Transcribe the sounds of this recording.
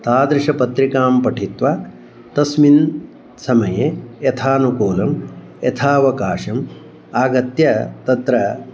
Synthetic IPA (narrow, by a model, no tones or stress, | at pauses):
t̪aːd̪ɾɪʂɐpɐt̪ɾikaːmpɐʈʰit̪ʋɐ | t̪ɐsmin | sɐmɐjeːet̪ʰaːnukoːlɐm | et̪ʰaːɐʋɐkaːʃɐm | aːɡɐt̪jɐt̪ɐt̪ɾɐ